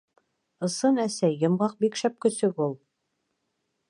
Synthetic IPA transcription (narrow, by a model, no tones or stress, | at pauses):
ɤ̆sɤnæsæːɤ̆mʁɑq̚bikʃæp̚kɵ̆sɵkulˠ